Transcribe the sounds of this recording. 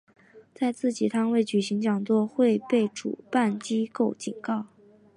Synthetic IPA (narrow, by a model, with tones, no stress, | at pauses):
t͡sa˥˧ɪt͡sɹ̩˥˩t͡ɕi˨˩t̪ʰa˥nwe˥˩ɪt͡ɕy˨˩ɕi˧˥ŋt͡ɕjɑ˨˩ŋt͡swɔ˥˧xwe˥˧ɪpe˥˩ɪʈ͡ʂṵ˨˩pa˥˩nt͡ɕi˥ko˥˩ʊt͡ɕi˨˩nkɑ˥˩ʊ